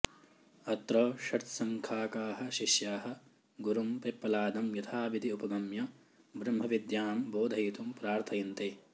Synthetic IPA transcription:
ɐt̪ɾoːʃɐt̪sɐŋkʰaːkaːɦɐ̆ʃiʃjaːɦɐ̆ | ɡuɾumpepːɐlaːd̪ɐmjɐt̪ʰaːʋid̪ʱiupɐbɐmjɐ | bɾɐmbʱɐʋid̪jaːmboːd̪ʱɐjit̪umpɾaːɾt̪ʰɐjint̪eː

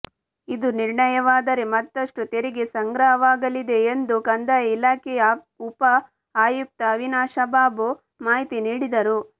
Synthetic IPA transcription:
id̪uniɾɳɐjɐʋaːd̪ɐɾemɐt̪ːɐʂʈut̪eɾiɡesɐŋɡɾɐɦɐʋaːɡɐlid̪e̞ːnd̪ukɐnd̪ɐilaːkɛjɐ | upɐ | aːjuk̚t̪ɐːʋinaːʃɐbaːbo | maːɦit̪iniːɽid̪ɐɾu

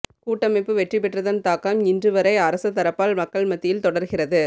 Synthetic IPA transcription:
kuːʈːɐmɐɪpːɯʋɛʈrip̬ːɛʈrɐðɐnt̪aːkɐmɪndrɯʋɐɾɐɪɐɾɐsɐt̪ːɐɾɐpːaːlmɐkːɐɭmɐt̪ːɪjɪlt̪ɔɽɐɾɣɪrɐðɯ

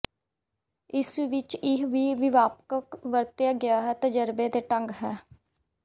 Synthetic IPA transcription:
ɪsʋɪt͡ʃɪɦʋiːʋɪʋaːpkəkʋəɾt̪jaːɡɪjaːɦɛːt̪əd͡ʒəɾbeːd̪eːʈəŋɡɦɛː

